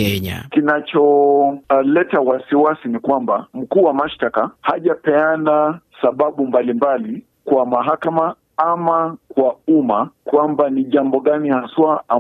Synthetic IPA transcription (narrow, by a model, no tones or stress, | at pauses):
ɛɲa̰kinat͡ʃɔ | lɛtawasiwasinikwambam̩kuːwamaʃtakahaʄapɛanasaɓaɓumbalimbali | kwamaɦakama | amakwaumakwambaniʄambɔɠanihaswaa